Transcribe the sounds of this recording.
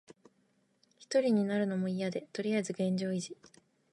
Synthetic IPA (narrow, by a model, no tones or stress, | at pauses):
çi̥t̪o̞ɾʲiɲ̟inaɾɯ̟no̞mo̞ijad̪e̞t̪o̞ɾʲiaizɨɡẽ̞ɲ̟d͡ʑo̞ːiʑi